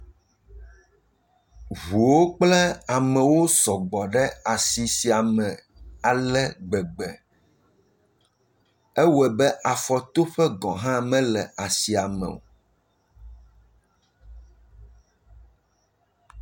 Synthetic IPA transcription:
vu˨wo˦k͡plɛ˦a˨mɛ̃˨wo˦sɔ˨ɡ͡bɔ˨ɖɛ˦a˨si˨si˨a˨mɛ̃˨ | a˨lɛ˦ɡ͡bɛ˨ɡ͡bɛ˨ | e˦wɛ˨bɛ˦ʔa˨fɔ˨t̪o˦ɸɛ˦ɡɔ̃˨ɦã˦mɛ̃˦lɛ̰˨a˨si˨a˨mɛ̰˨wo̰˨

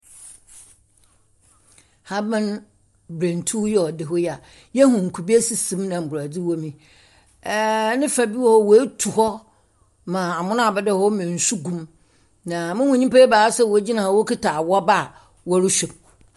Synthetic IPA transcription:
ha˦bã˦n | bɾẽ˨n˨tʰu˦jɛ˦ɔ˨dɪ˨ɦɔ˦jɛ˦a˨ | jɛ˦ɦũ˨ŋ̩˨kʰu˨bi˦e˦si˨sĩ˨mnã˨m̩˨bʊ˨ɾa˨d͡zi˦wɔ˦mĩ˨˦ | nɪ̃˦fa˨bi˦wɔ˦hɔ˦wɔ˨e˦tʰu˨hɔ˦ | mã˨a˨mʊ̃˦nã˦a˨bɛ˨dɛ˦hɔ˦mɪ̃˨n̩˨su˦ɡũ˦m | nã˨mʊ̃˦hʊ̃˨ɲĩ˦pe˦baː˨˦sɛ˦wo˨˦d͡ʑi˦nã˨ɔ˨wo˦kʰɪ˦tʰaː˨wɔ˦ba˦˨ | wɔ˦ɾʊ˦ɕᶣɛ˨b̚

